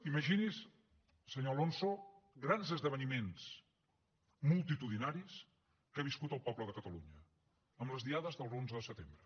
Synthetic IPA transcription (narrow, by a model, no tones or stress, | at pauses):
iməʒinis | səɲolonsoɡɾanzəzðəβ̞ənimens | mulˠt̪it̪uðinaɾis | kaβiskut̪əlˠpɔβləðəkət̪əlṵɲə | əmləzðiaðəzðəlˠzonzəðəsət̪embɾə